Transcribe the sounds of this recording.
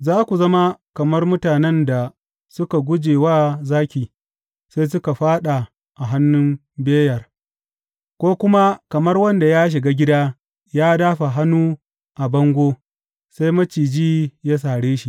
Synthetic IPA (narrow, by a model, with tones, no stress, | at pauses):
zaː˦kʷu˨zɐ˦ma˦kɐ˨mɐ˦rmʊ˦taː˨nɛ˦nda˨ | sʊ˦ka˨ɡʷʊ˦d͡ʒeː˨waː˦zaː˦kʲiː˨ | sa˦js̬ʊ˦ka˨ɸaː˦ɗa˨ | ʔa˨ɦa˦nːʊ˦m | beː˦jɐ˨r | kʷoː˦kʷʊ˦ma˦kɐ˨mɐ˦rwɐ˦nda˨ja˦ʃ̬ɪ˨ɡa˦ɡʲɪ˦da˦ | jaː˦daː˦ɸa˨ɦa˦nːuː˦ | ʔa˨bɐ˦ŋɡʷoː˦ | sa˦jmɐ˦t͡ʃiː˨d͡ʒiː˦ja˦s̬aː˨ɽeː˦ʃi˨